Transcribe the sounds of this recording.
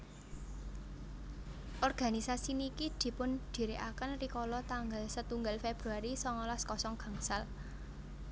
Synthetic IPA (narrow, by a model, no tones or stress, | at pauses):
ʔɔrɡ̥a̤nisasinikid̪̥i̤pʊnd̪̥i̤ɾeʔa̰kənrikɔlɔt̪aŋɡalsət̪uŋɡalfeb̥ɾuaɾisɔŋɔlaskɔsɔŋɡ̥a̤ŋsal